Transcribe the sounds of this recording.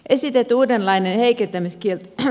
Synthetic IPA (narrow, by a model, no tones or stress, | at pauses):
ʔesit̪et̪ːuːdenlɑinenheikent̪ːæmiskielt̪